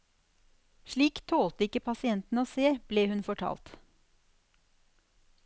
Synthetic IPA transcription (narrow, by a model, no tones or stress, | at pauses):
ʃɭiːkt̪ʰoːlt̪əɪkəpʰɑsɪɛnt̪n̩oːseːb̥leːhʉnfɔʈʰɑ̰ːlt̪